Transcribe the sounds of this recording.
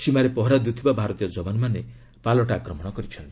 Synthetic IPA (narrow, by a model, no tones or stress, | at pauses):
simaɾepɔɦɔɾad̪ut̪ʰibabʱaɾɔt̪ijɔd͡ʒɔbanɔmane | palɔʈaːkɾɔmɔɽ̃ɔkɔɾit͡ʃʰɔnt̪